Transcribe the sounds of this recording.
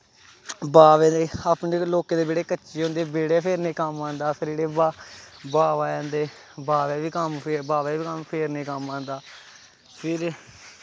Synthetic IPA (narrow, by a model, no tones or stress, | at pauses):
baːʋɛ̃ːd̪eːaːpneːloːkẽːd̪eːbeːɽeːkəːʃeːɦõːnd̪eːbeːɽeːpʰeːɾneːkəmãːnd̪aːpʰɪɾeːɽeːbabaːʋaːjãːnd̪eː | baːʋɛːʋiːkəmpːbaːʋɛːʋiːkəmpʰeːɾneːkəmãːnd̪aː | pʰɪɾ